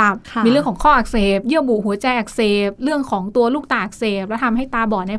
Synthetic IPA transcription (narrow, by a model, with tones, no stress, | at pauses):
a˨˩p̚ʰiː˧ɾɯ˥˩əŋkʰɔ˩˦ŋkʰɔː˥˩ʔa˨˩k̚seː˨˩p̚jɯ˥˩əbu˨˩ɦu˩˦ɐt͡ɕa˧jʔa˨˩k̚seː˨˩p̚ɾɯ˥˩əŋkʰɔː˩˦ŋt̪u˧əluː˥˩k̚t̪aː˧ʔa˨˩k̚seː˨˩p̚lɛ˦˥t̪ʰa˧mɦa˥˩jt̪aː˧bɔː˨˩na˧j